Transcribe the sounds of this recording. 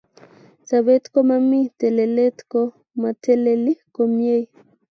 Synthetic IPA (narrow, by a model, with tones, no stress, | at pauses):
sa˨βe˦t̪ko˦mami˦t̪e˨le˨le˦t̪ko˦ | ma˨t̪ʰeleli˦ko˨mje˦j